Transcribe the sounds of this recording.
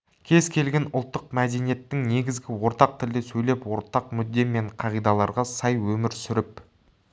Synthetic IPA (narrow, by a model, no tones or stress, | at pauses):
kʲʰe̞zkʲʰe̞lɡʲe̞nʊlˠt̪ːəqmæd̪e̞nije̞t̪ːɪŋne̞ɡʲɪzɡʲɪwo̞ɾt̪ɑq̚t̪ʰɪld̪ɪsɵjle̞pwo̞ɾt̪ɑq̚mʏd̪ːe̞me̞ɴqʰɑʁijd̪ɑlˠɑɾʁɑsɑjwɵmɪɾsʏɾɪp